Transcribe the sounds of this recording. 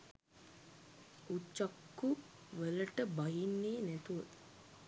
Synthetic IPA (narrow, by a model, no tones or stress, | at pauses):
ut͡ʃːakːu | ʋələʈəbaɦinːeːnæt̪uʋət̪